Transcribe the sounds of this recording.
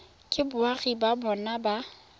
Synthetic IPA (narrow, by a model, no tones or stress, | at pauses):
kʼɪbʊaɣibabɔnaba